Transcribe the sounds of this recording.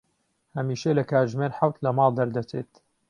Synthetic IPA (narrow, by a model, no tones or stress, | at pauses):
hɐmiːʃɐlɐkaːɾʒmeːɾħawt̪lɐmɑːlˠd̪ɐɾd̪ɐt͡seːt̪